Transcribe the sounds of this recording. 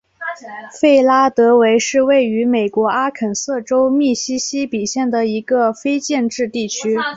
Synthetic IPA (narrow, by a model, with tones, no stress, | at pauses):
fe˥˩ɪla˥t̪ɤ˧˥we˧˥ɪʂɻ̩˥˧we˥˩ɪy˧˥me˨˩ɪkwɔ˧˥a˥kʰə˨˩nsɤ˥˩ʈ͡ʂo˥ʊmi˥˩ɕi˥ɕi˥pi˨˩ɕjɛ˥˩nd̪ə˩i˧˥ɡə˧fe˥ɪt͡ɕjɛ˥˧nʈ͡ʂɻ̩˥˧t̪i˥˩t͡ɕʰy˥